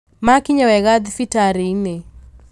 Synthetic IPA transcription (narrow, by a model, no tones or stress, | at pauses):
makiɲawɛɣaðifitaɾine